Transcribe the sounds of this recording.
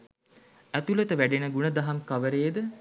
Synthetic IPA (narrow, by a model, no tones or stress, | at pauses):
æt̪ulət̪əʋæɖenəɡunəd̪ɐɦɐmkaʋəɾeːd̪ə